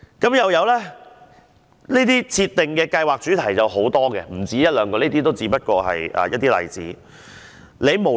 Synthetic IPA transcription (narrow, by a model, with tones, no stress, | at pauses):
kɐ˨˥mjɐ˨wjɐ˨˧wlɛː˥ | niː˥t̪iː˥t͡sʰiː˧t̪ːɪ˨˩ŋkɛː˧kɐ˧jwaː˨k̚t͡ʃyː˨˥t̪ʰɐ˨˩jt͡sɐ˨wɦo˨˥wt̪ɔː˥ɡɛ̰˧m̩˨˩t͡siː˨˥jɐ˥t̚lœː˨˧ŋkɔː˧neiː˥t̪iː˥t̪o˥wt͡siː˨˥pɐ˥t̚kɔː˧ɦɐ̰˨jʔɐ̰ː˨˩jɐ˥t̚t̪iː˥lɐ̰˨˩jt͡sḭː˨˥ | le˨˧jmo˨˩